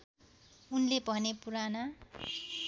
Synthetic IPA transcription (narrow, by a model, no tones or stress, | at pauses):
unlebʱʌnepuɾana